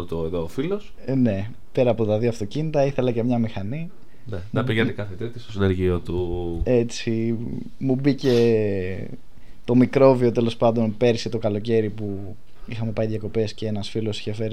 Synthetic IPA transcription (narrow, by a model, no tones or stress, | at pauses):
t̪ueðoːfilos | ne̞ | pe̞ɾɐːpo̞t̪ɐðioɐft̪o̞cinit̪ɐiθe̞lɐce̞mɲɐmixɐni | neɐpiʝent̪ekɐθet̪et̪est̪osineɾʝiot̪ue̞t͡si | mubice̞ | t̪o̞mikɾo̞vio̞t̪e̞lo̞spɐnd̪o̞npe̞ɾset̪o̞kɐlo̞ce̞ɾipu | ixɐme̞pɐjðʝjɐko̞pe̞sce̞e̞nɐsfilo̞si̥çefe̞ɾ